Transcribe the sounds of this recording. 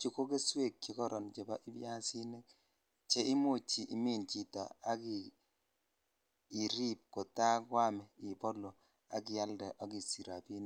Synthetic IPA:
t͡ʃi˦ko˦ke˦swe˦˨kt͡ʃi˨kɔ˦ɾʔɔ˨nt͡ʃe˨ba˦ʔɪ˦bja˦si˦ne˦k̚ | t͡ʃe˦i˦mo˦˨t͡ʃi˨ʔi˦mi˦˨nt͡ʃi˨tɔ̰˨a˦ki˨ | ɾi˦p̚ko˨ta˦kwa˦mɛ˨i˨pɔ˦lo˨ | a̰˨k̬i˨ja˦ldɛ˨ʔa˦ki˨si˨ɾa˨pi˦n˦

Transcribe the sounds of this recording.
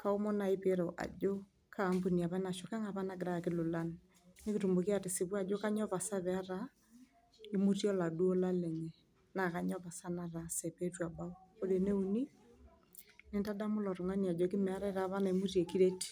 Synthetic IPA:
ka˦o˦mo˦na˨i˦pe˦ɾo˨ʔa̰˨d͡ʒo˦ | kʰa˨˦mbu˨ni˨a˨βa˦na˨ʃo˨ka˦ŋa˨βa˦na˨ɡɪ˨ɾa˦˨kɪ˦lʊ˨la˦n | ne˦ki˨tu˨mbo˨ki˦a˦˨te˨si˨βwa˦˨d͡ʒo˦ka˦ɲɔ˦βa˨sa˦βɛ˨a˦ɾa˦ | i˦mu˦tjɔ˦la˨du˦o˦la˦lɛ˨ɲɛ˨ | na˨ka˦ɲɔ˦βa˨sa˦na˨ɾa˨se˨pe˦twa˨ba˦o˦o˦ɾe˨ne˦u˦ni˦ | ne˦nta˦da˦mʊ˦lɔ˨ɾɔ˨ŋa˦ni˨a˨d͡ʒɔ˨kɪ˦mɛ˨a˦ɾa˦ɾa˨˦βa˦na˨mu˦ɾje˨ki˦ɾe˦ti̥˨

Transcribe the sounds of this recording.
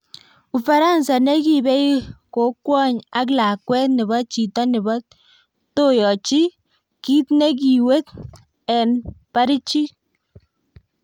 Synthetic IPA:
u˨fa˨ɾa˦nsa˨ne˦ki˦˨bɛ˦i˦ko˨˦kwɔ˦ɲa˦k̬la˨kwɛ˦tnɪ˨bɔ˦t͡ʃi˨tɔ˦nɪ˨bɔ˦ | to˦jɔ˨t͡ʃi˦ | ki˦tne˦k̬i˨we˦t | ɛ˨npa˦ɾi˦t͡ʃi˦

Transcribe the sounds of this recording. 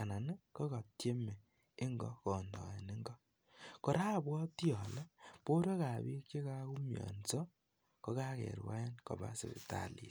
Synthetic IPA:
a˨na˨ne˦ko˦ka˨tje˦me˨ | ɪ˦ŋɡɔ̰˦kɔ˨ndɔ̰˨e˨ni˦ŋɡɔ˦ | ko˨ɾa˦˨bwɔ˦tjɔ˨lɔ˦po˦ɾo˦ka˨βi˦ke˦ka˦ku˦mjɔ̰˨nsɔ˦ | ko˦ka˦kḛ˨ɾwa̰˦e˦nko̰˨βa̰˦sḛ˨βḛ˨ta̰˨lḭ˨

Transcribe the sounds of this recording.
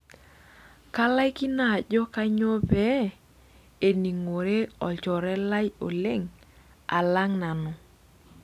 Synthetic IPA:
ka˦la˦jki˦na˦˨d͡ʒɔ˦ka˦ɲo˦pɛ˦ | e˨ni˨ŋo˨ɾe˦ɔ˨t͡ʃɔ˨ɾɛ˦la˦jo̰˨le˦ŋ | a̰˨la˦ŋna˨nɔ˨

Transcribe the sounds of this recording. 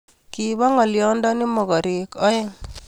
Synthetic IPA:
ki˨ba˦ŋɔ˨ljɔ˦ndɔ˦nɪ˦mɔ˨ɡɔ˨ɾɪ˨kɔ˦ɛ˦ŋ

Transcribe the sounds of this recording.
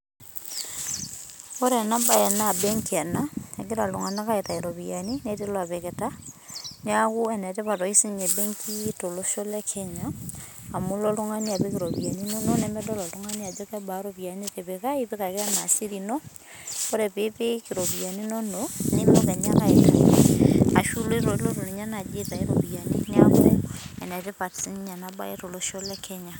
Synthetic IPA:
o˦ɾɛ˨na˦mba˦ɛ˨na˦˨bɛ˦ŋki˨a˨na˦a˨ɡe˦ɾa˨lo˨ŋa˨n˦a˦ka˦e˨ta˨eɾɔ˨βia˨ni˦ne˦te˦lwa˨βe˨ɣɛ˨ta˦ | na˦ɣu˦ɛ˨nɛ˨tɛ˦βa˨ɾɔ˨i˦si˦ɲe˨be˦ŋkʰi˦to˨lo˦ʃo˦lɛ˦kʰɛ˨ɲaː˦˨ | mu˦lɔ˦lu˦ŋa˦ni˦a˨be˦kɪ˨ɾɔ˨pi˨a˨ni˦no˦no˦nɛ˨mɛ˦dɔ˦lɔ˨lo˦ŋa˦ni˦a˨d͡ʒɔ˦kɛ˦ba˨˦ɾɔ˦pi˨a˨ɲe˦ke˨be˨ka˦i˦pe˦ka˨ka˦na˨si˦ɾi˨nɔ˦ | ko˦ɾɛ˨pe˨˦pe˦kɪ˨ɾɔ˨pi˨a˨ni˦nɔ˦no˦nɪ˦mɔ˦kɛ˨ɲa˦ka˦e˨ta̰˨n̰˦a˨ʃu˦lo˦i˦ɾɔ˨˦lɔ˦to˨ni˨ɲa˦na˨d͡ʒe˦ta˨e˦ɾɔ˨pi˨a˨nḛ˦nja˦kṵ˦ɾɛ˦ɛ˨nɛ˨te˦pa˨tsi˦ɲa˨na˨ba̰˦ɛ̰˦to˨lo˦ʃɔ˦lɛ˦kʰɛ˦ɲa˨

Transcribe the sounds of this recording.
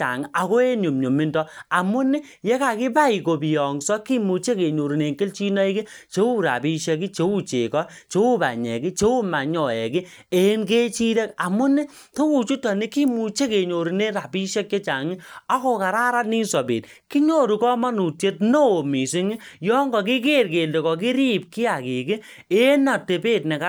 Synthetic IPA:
t͡ʃa̰˨ŋi˦ʔa˨ko˦e˦nu˨mɲo˨mi˦ndɔ˦a˨mʊ˦ni˦ | je˦ka˨kɪ˦pa˦i˨ko˨bi˨jɔ˨ŋsɔ˦ki˦mu˨t͡ʃe˦ke˨ɲo˨ɾi˨ne˨ŋkɪ˦lt͡ʃi˦nɔ˦i˦ki˦ | t͡ʃe˦u˦˨ɾa̰˨bi˦ʃe˧ki˦t͡ʃe˦u˦t͡ʃḛ˨kɔ˦ | t͡ʃe˦u˦ba̰˨ɲɛ̰˨ki˦t͡ʃe˦u˦ma˨ɲɔ˨ɛ̰˨ki˦ | e˨˦nke˦t͡ʃi˦de˦ka˨mʊ˦ni˦ | to˦u˨t͡ʃu˦tɔ˨ni˦ki˦mu˨t͡ʃe˦ke˨ɲo˨ɾi˨ne˦ɾa˨pi˦ʃe˦k̚t͡ʃe˦t͡ʃa˨ŋɪ˦ɔ˦ko˦ka˨ɾa˦ɾa˦tni˦nsɔ˨bḭ˨t | ki˦ɲo˦ɾu˨kɔ˦ma˦nu˨tje˦t̚no˦o˨mi˨si˦ŋi˦jɔ˦ŋɡɔ˨ki˦ke˦rke˨nde˨kɔ˨k̬i˦ɾi˦p̚ki˦a˨ki˨kɪ˦ | e˦na˨te˨pe˦˨tnɛ˨ka˦

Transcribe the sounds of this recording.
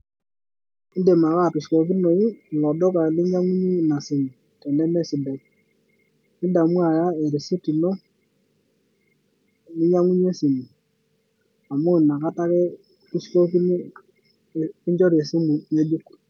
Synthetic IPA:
ɪ˦nde˨ma˨ka˦˨pu˨sko˨ki˦no˨i˦˨lɔ˨dɔ˦ka˨lɪ˦ɲa˦ŋu˦ɲi˦na˨sɪ˨mu˨ | tɛ˨nɛ˦mɛ˦sɪ˨dɛ˨k | ɪ˦da˨mu˦a˨ja˦e˨ɾi˨si˦ti˨no˦˨ | lɪ˦ɲa˦ŋu˦ɲe˦si˨mu˨ | a˨mʊ˦˨na˨ka˦ta˦kɛ˦ | u˦sko˦ki˦ni˦˨ | ɪ˦ɲd͡ʒɔ˦ɾe˨si˦mu˨me˦d͡ʒu˦k

